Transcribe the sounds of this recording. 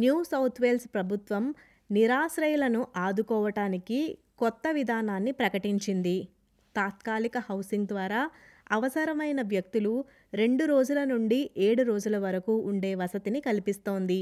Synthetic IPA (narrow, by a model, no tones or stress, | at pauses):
njuːsɐwt̪ʰʋe̞lspɾɐbʱut̪ʋɐm | niɾaːsɾɐjulɐnuʔaːd̪ukɔːʋɐʈaːniki | kɔt̪ːɐʋid̪ʱaːnaːnːipɾɐkɐʈiɲt͡ʃind̪i | t̪aːt̪kaːlikɐhɐwsiŋɡd̪ʋaːɾaː | ɐʋɐsɐɾɐmɐjnɐʋjɐk̚t̪ulu | ɾe̞ɳɖuɾoːd͡ʒulɐnuɳɖiʔeːɽuɾo̞ːd͡ʒulɐʋɐɾɐkuːʔːɳɖe̞ːʋɐsɐt̪inikɐlipist̪o̞ːnd̪i